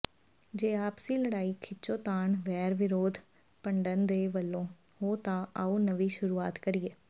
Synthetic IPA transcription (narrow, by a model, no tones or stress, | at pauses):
d͡ʒeːaːpsĩːləɽaːiːkʰɪt͡ʃõːt̪aːɳʋɛːɾʋɪɾoːd̪ | pəɳɖənd̪eːʋəlːõː | ɦoːt̪ãːaːuːnəʋiːʃʊɾuːaːt̪kəɾieː